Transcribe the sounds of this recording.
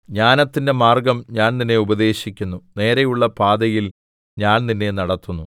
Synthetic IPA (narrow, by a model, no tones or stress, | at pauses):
ɲaːnɐt̪ːinde̞maːrɡɐmɲaːnninːe̞ubɐd̪e̞ːɕikʲːunːune̞ːɾɐjuɭːɐpaːd̪ɐjil | ɲaːnninːe̞nɐɽɐt̪ːunːu